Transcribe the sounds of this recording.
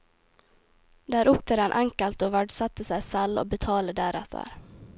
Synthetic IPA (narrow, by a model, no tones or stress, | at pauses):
d̪æːɾɵpt̪ʰɛːɾanʔaŋkalt̪ɔvæɖsat̪ːəsɛjsalːɔ̰bɛt̪ʰɑːləd̪æːɾat̪a̰ɾ